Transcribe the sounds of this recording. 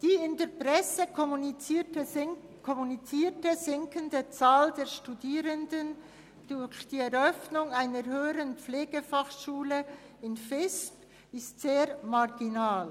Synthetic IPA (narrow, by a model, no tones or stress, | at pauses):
d̥iːɪndeːɾpʁ̥ɛsə | kʰɔmunit͡siːtəzɪŋkəndət͡saːldeːɾʃtudiːɾəndən | d̥ʊɾçd̥iːɛɾœfnʊŋaɪnəɾɦøːəɾənpp͡fleːɡ̥əfaχʃuːlə | ɪnfɪsp | ɪstz̥eːɾmaʁɡinaːl